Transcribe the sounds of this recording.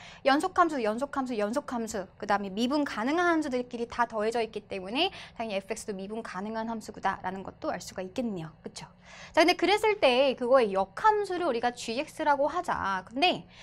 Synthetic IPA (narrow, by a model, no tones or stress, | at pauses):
jʌnsʰokʰamsʰujʌns̬ʰokʰamsʰujʌnsʰokʰamsʰukɯdaɯme̞mibunkanɯŋɦanɦamsʰudɯɾek͈iɾitatʌɦe̞d͡ʑʌit̚k͈it͈e̞mune̞taŋiɲiepʰɯek̚s͈ɯdomibunkanɯŋɦanɦamsʰuɡuda̰ɾʔa̰nɯnɡʌt̚t͈oaɭs͈uɡaik̚k͈enɯɲok͈ɯt͡ɕʰo̥ | t͡ɕakɯnde̞kɯɾe̞s͈ʰɯɭt͈e̞kɯɡʌe̞jʌkʰamsʰuɾɯɭuɾiɡat͡ɕɥiɦe̞k̚s͈ɯɾaɡoɦad͡ʑa̰kɯnde̞